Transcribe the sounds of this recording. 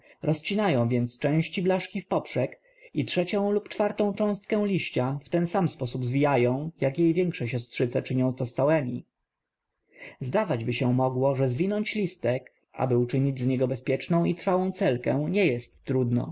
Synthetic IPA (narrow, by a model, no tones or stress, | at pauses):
ɾɔst͡ɕinajɔ̃w̃vʲjɛnt̪st͡ʂɛ̃w̃ɕt͡ɕiblaʂkʲifpɔpʂɛk | itʂɛt͡ɕɔ̃w̃lupt͡ʂfaɾt̪ɔ̃w̃t͡ʂɔ̃w̃st̪kɛ̃w̃lʲiɕt͡ɕaft̪ɛnsamspɔsubzvʲijajɔ̃w̃jakjejvʲjɛŋkʂɛɕɔstʂɘt̪sɛt͡ʂɘɲɔ̃w̃zt̪ɔst̪awɛmʲi | zd̪avad͡ʑbɘɕɛmɔɡwɔʐɛzvʲinɔɲt͡ɕlʲist̪ɛk | a̰bɘut͡ʂɘɲid͡ʑzɲɛɡɔbɛspʲjɛt͡ʂnɔ̃w̃it̪ɾfawɔ̃w̃t̪sɛlkɛ̰̃w̃ɲɛjɛst̪ːɾud̪nɔ̰